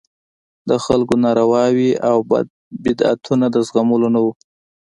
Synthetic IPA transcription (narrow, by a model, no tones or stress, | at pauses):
d̪əxalkonɑɾawɑwiaw | bɪd̪a̰t̪ʰunad̪əzɣamulonawu